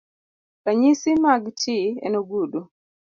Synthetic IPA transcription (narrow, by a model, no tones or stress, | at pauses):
kaɲisimaɡtʰiɛ̰noɡudu